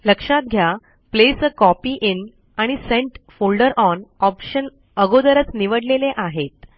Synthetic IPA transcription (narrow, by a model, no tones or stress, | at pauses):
ləkʂat̪̚ɡʱja | plesəkɔpiʔin | aɽ̃isẽɳʈfolɖəɾɔnɔpɕən | əɡod̪əɾət͡sniʋəɽleleʔaɦet̪̚